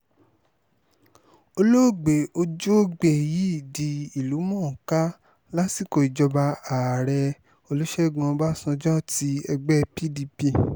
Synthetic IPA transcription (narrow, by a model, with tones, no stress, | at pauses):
o˧lo˦˨ɡ͡be˨o˧d͡ʒo˦ɡ͡be˨ji˨˦i˦˨di˨i˨lu˨˦mɔ̃˦˨ka˦ | la˦si˦˨ko˧˨i˨d͡ʒɔ˧ba˧aː˨ɾɛ˧ | o˧lu˦ʃɛ˦˨ɡã˧ba˦sɔ̃˧d͡ʒɔ̃˦ti˧ɛ˧ɡ͡bɛ˦pi˦di˧pi˧˨